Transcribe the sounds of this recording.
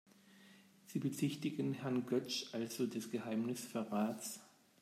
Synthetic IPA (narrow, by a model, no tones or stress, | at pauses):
z̥iːbət͡sɪçtɪɡn̩hɛɐnɡœt͡ʃʔalz̥odɛsɡ̥əhaɪmnɪsfɛɐʁaːts